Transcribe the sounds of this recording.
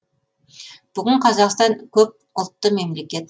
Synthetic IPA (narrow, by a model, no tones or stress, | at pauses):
b̥ʏɡʲɪɴqʰɑzɑqst̪ɑŋkʲʰɵp̚ | ʊlˠt̪ːəme̞mle̞kʲe̞t̪